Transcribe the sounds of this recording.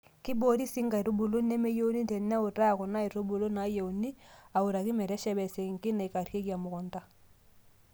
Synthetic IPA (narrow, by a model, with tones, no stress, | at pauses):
ki˦bo˦ɾi˦si˦ŋɡa˨i˨ɾo˦bu˨lo˦nɛ˦mɛ˦jo˦ni˦tɛ˨n˦a˦o˨ɾa˦a˨kɔ˨na˦i˨ɾo˦bo˨lo˦na˨˦je˨u˨ni˦a˨u˨ɾa˨ki˦mɛ˨ɾɛ˦ʃɛ˦bɛ˨se˨ŋki˦na˨i˨ka˨ɾje˦kja˨mʊ˨kɔ˨nta˦